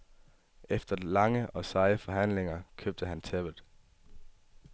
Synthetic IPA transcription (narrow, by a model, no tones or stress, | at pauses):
efd̥ɐlɑ̈ŋəʔɒ̽sɑ̈ɪəfɒ̽ɦæn̰le̝ŋɐkʰøb̥̚d̥əɦænt͡sʰeb̥əð̩ˠ